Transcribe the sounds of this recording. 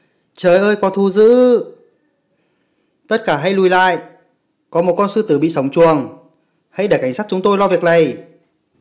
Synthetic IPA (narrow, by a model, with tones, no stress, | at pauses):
t͡ɕəː˨˦jʔəː˧jkɔ˨˦t̪ʰu˧zɨ̰˧˥ | t̪ə˦˥t̚kaː˧˩ɦa˧jlu˧˩jla̰ː˧˨j | kɔ˨˦mo˨˩t̚kɔ˧nsɨ˧t̪ɨ˨˧˩ɓḭ˧˨sə˨˦wŋ͡mt͡ɕu˨˩əŋ | ha̰˧jɗeː˧˩ka˧˩j̟saː˦˥t̚t͡ɕʊ˨˦ŋ͡mt̪o˧jlɔ˧vi˨ək̚ɗə˨˩j